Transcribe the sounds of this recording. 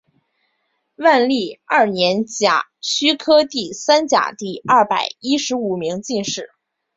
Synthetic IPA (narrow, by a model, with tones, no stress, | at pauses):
wa˥˧nli˥˩ɐ˥˩njɛ˧˥nt͡ɕja̰˨˩t͡ɕʰy˥kʰɤ˥t̪i˥˩sa˥nt͡ɕja̰˨˩t̪i˥˧ɐ˥˩pa˨˩ɪi˥ʂɻ̩˧˥u˨˩mi˧˥ŋt͡ɕi˥˧nʂɻ̩˥˩